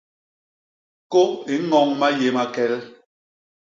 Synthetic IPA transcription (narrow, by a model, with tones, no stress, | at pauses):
ko˦e˨˦ŋɔ˦ŋma˦je˨ma˨kɛ˨˦l